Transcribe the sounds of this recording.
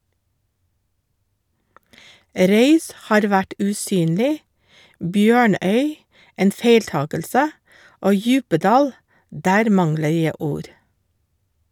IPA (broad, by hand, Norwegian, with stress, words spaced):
ˈɾœʏs ˈhɑːɾ ˈʋæʈ ʉːˈsyːnlɪ ˈbjøːˌɳœʏ ˈeːn ˈfeɪlˌtɑːkəlsə ˈoː ˈjʉːpəˌdɑːl ˈdæːɾ ˈmɑŋlə ˈjæ ˈuːɾ